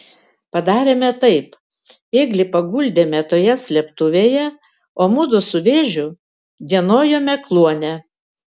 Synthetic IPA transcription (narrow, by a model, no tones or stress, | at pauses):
pɐd̪ɑːɾʲeːmʲɛt̪ɐɪp | eːɡlʲɪpɐɡʊlʲd̪ʲeːmʲɛt̪oːjɛsʲlʲɛpt̪ʊʋʲeːjɛ | oːmʊd̪ʊsʊʋʲeːʒʲʊ | d̪ʲiɛnoːjoːmʲɛklˠuɔnʲɛ